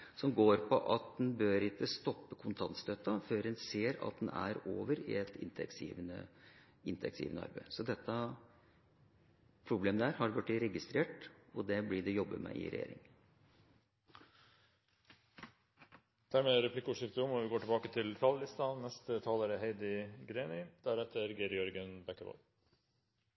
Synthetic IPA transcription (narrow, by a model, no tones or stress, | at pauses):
sɔmɡoːɾpʰɔʔɑt̪̚d̪ɛnbøːɾɪt̪ːəst̪ɔpːəkʰʊnt̪ʰɑnt̪st̪øt̪ːɑføːɾɛnseːɾɑ̰t̪̚d̪ɛnæ̰ɾoːʋəɾɪ̰ɛt̪ʰɪnt̪ʰɛ̰ksḭːʋənə̰ | ɪnt̪əɛksḭːʋənəɑ̰ɾbæɪsɔd̪ɛt̪ːɑ | pʰɾʊbleːməd̪æːɾhɑɖʋʉʈːɪɾɛɡɪst̪ɾeːʈɔd̪ɛblɪɖɛjɔbːəmɛ̰ʔɪ̰ɾɛ̰jḛːɾɪ̰ŋ | d̪̥æːɾmeːɾɛpʰlɪkːəʊːʂɪft̪əʊmɔʋɪɡoːʈɪbɑːkət̪ʰɪlt̪ʰɑːləlɪst̪ɑnɛst̪ət̪ʰɑːləɾəɦeɪd̪əɡɾeːnɪd̪̥æɾɛt̪ʰːəɾɡeɾjɔɾɡənbɛkːəʋɑ̰l